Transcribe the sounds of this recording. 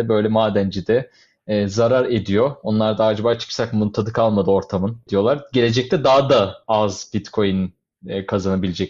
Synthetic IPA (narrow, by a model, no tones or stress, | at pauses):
ɛbø̞jlʲɛmaːd̪ænd͡ʒid̪ɛː | zaɾaɾe̞d̪ijo̞onlˠaɾd̪aaːd͡ʒabaːt͡ʃʰɯ̥ksakmunt̪ʰad̪ɯkʰalˠmad̪ɯo̞ɾt̪ʰamɯnd̪̥ijo̞lˠaɾɟe̞lʲe̞d͡ʒɛc̚t̪ʰɛd̪aɦad̪aazbit̪kʰo̞jun | kʰazanabilʲed͡ʒɛc